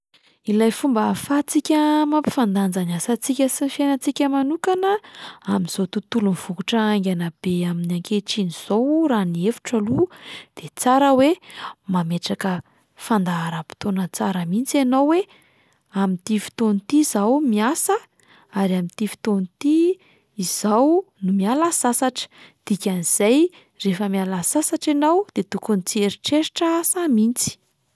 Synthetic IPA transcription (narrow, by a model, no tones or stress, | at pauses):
ilajfumbafat͡sikʲəmampi̥fand̪and͡zanasat͡sikʲəsinifjenat͡sikʲəmanukanəamiz̥ot̪ut̪ulunv̥ukuʈ͡ʂəaŋɡʲanab̥eaminaŋkeʈ͡ʂiniz̥owraniefu̥ʈ͡ʂalud̪̥et͡saɾəwemameʈ͡ʂakə | fand̪aːɾapi̥t̪onət͡saɾəmint͡sanowwe | amint̪ifi̥t̪onit̪izawmiasə | aɾiamint̪ifi̥t̪onit̪i | iz̥aawnumialasasaʈ͡ʂə̥d̪̥ikʲaniz̥aj | refəmialasasaʈ͡ʂenawd̪̥et̪ukunit͡sieɾiʈ͡ʂeɾiʈ͡ʂaasamint͡si̥